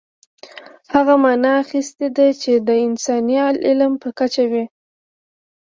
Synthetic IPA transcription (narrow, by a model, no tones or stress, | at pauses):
haɣamɑnɑːxist̪ed̪at͡ʃed̪əɪnsɑnialʔɪlmpəkat͡ʃawi